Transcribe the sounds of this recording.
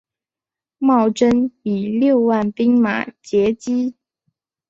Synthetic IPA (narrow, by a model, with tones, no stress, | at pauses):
mɑ˥˩ʊʈ͡ʂə˥ni˨˩ljo˥˧ʊwa˥˩npi˥ŋma̰˨˩t͡ɕjɛ˧˥t͡ɕi˥